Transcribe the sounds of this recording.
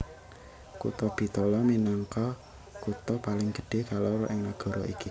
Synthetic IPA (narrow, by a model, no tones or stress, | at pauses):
kṵt̪ɔb̥i̤t̪ɔlɔminaŋkɔ | kut̪ɔpalɪŋɡ̥ə̤̥ɖ̥e̤kaloɾɔʔɪŋnaɡ̥ɔ̤ɾɔḭki